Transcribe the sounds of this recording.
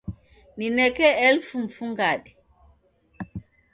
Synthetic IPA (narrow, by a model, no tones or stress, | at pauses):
ninɛkɛɛlfumfuŋɡaɗɛ